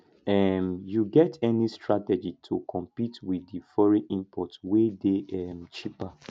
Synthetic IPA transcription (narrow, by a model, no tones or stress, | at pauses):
ɛmjuɡɛtʰɛnistɹatɛd͡ʒitʰukʰɔ̃mpitwiifɔɹĩʔĩmpʰɔtwedeɛmt͡ʃipa